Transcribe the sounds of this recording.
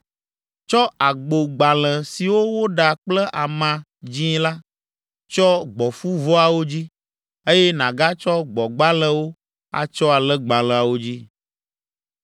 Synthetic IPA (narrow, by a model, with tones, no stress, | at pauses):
t͡ʃɔ˦a˨ɡ͡bo˨ɡ͡ba˨lə̃˨si˨wo˦wo˦ɖa˨k͡plɛ˦ʔa˨mã˨ | d͡ʑĩ˦la˦ | t͡ʃɔ˦ɡ͡bɔ˨fu˦vɔ˦a˨wo˦d͡ʑi˦ | e˦jɛ˦nã˨ɡa˦t͡ʃɔ˦ɡ͡bɔ˨ɡ͡ba˦lɛ̃˦wo˦ | a̰˨t͡ʃɔ˦a˨lɛ˦ɡ͡ba˨lɛ̃˨a˨wo˦d͡ʑi˦